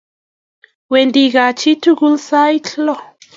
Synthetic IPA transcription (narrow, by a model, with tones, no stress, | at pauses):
we˨ndi˨ɣa˨t͡ʃi˦tu˦ɡu˦lsa˦jtʰlɔ˦˨